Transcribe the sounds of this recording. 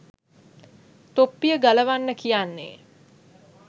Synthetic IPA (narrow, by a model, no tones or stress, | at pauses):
t̪opːijəɡaləʋanːəkijanːḛ